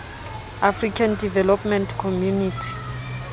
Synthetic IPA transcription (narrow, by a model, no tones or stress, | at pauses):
afrikʰandivɛlɔpmɛntkʰɔmjunitʰi̥